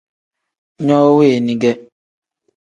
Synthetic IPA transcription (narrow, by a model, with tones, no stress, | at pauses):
ɲɔ˦o˦we˦e˨nĩ˦ɡe˦